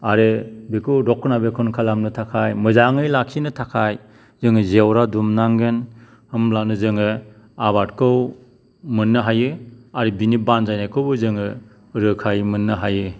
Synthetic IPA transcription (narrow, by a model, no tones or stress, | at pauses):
aɾebikʰɯɾɔkʰːɯnabekʰɔnkʰalamnɯtʰakʰajmɯzaŋɯjlakʰinɯtʰakʰaj | zɯŋɯzewɾadumnaŋɡɯn | hɯmlanɯzɯŋɯ | aβat̚kʰɯw | mɯnːɯɦajɯaɾebinibanzajnajkʰɯwbɯzɯŋɯ | ɾɯkʰajmɯnːɯɦajɯ